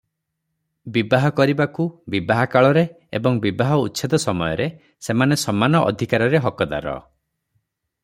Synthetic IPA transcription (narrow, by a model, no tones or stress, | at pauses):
bibaɦɔkɔɾibakubibaɦakaɭɔɾe | ḛbɔŋbibaɦɔutːʃʰed̪ɔsɔmɔjɔɾe | semanesɔmanɔʔɔ̰d̪ʱikaɾɔɾeɦɔkɔd̪a̰ɾɔ̰